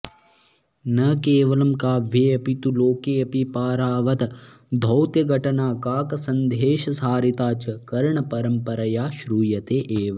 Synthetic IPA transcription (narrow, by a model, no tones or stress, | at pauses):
nɐkeːʋɐlɐmkaːʋʱeːɐpit̪uloːkeːɐpipaːɾaːʋɐt̪ɐ | d̪ʱɐwt̪jɐɡʱɐʈɐnaːkaːkɐsɐnd̪ʱeːʃɐsaːɾit̪aːt͡ʃɐkɐɾɳɐpɐɾɐmpɐɾɐjaːʃɾuːjɐt̪eːʔeːʋɐ